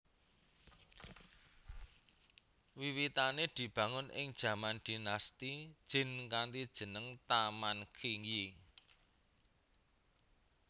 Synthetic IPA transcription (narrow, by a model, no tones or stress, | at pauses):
wiwit̪aned̪̥i̤b̥ä̤ŋʊnʔɪ̰ŋd̥ʒ̥ä̤mand̪̥i̤nast̪id̥ʒ̥ɪ̤nkant̪id̥ʒ̥ə̤nəŋt̪amankʰiŋji